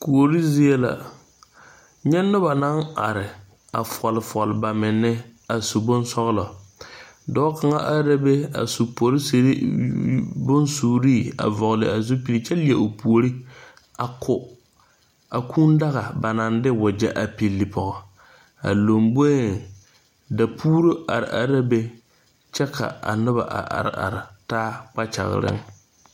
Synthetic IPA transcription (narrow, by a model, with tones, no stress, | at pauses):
ku˨o˨ɾi˦zɪ˦e˦la̰˨ | ɲɛ˦nːʊ˦ba˨na˦na˨ɾɪ˨ | a̰˨fɔ˨lɪ˨fɔ˨lɪ˨ba˨mɪ˨nːɪ˦a˨su˨bʊ˦n˦sɔ˦ɣlɔ˨ | dɔː˦ka˨ŋa˦ʔa˦ɾa˦be˦a̰˨su˨po˨ɾɪ˦se˨ɾi˦ | bʊ˦nsuː˨ɾiː˦˨a̰˨vɔ˨ɣlɪ̰˨a˨zu˦pi˨li˨t͡ʃɛ˦li˨ɛ˨o˨pu˨o˨ɾi˦ | a˨kʰʊ˨ | a˨kʰu˦nda˦ɣa˨ba˨na˨ndɪ˦wʊ˨d͡ʒɛ˦ʔa˨pi˨lːi˨pɔ˨ɣɔ˨ | a̰˨lo˨mbo˦˨ | da˨pʰuː˦ɾo˦ʔa˨ɾɪ̰˨ʔa˨ɾa˦be˦ | t͡ʃɛ˦kʰa̰˨a̰˨nʊ˦ba̰˨ʔa̰˨ʔa̰˨ɾɪ̰˨a̰˨ɾɪ˨taː˦k͡pa˦t͡ʃa̰˨ɣ̰ɾɪ̰˦ŋ